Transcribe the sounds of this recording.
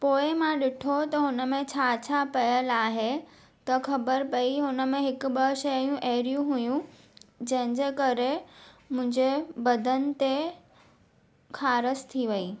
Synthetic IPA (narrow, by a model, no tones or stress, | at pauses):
poːɪmãɗɪʈʰot̪ɐɦʊnə̆mẽt͡ɕʰaːt͡ɕʰapɐjəlaːɦe | t̪ɐxʰɐbəɾpɐiɦʊnə̆mẽɦɪkʊ̆ɓəʃɐjũʔeːɾijũɦujũ | d͡ʑɐ̃ɦɪ̃ɲd͡ʑekɐɾemʊ̃ɦɪ̃ɲd͡ʑebɐd̪ʱənɪ̆t̪e | kʰaːɾəst̪ʰiʋɐiː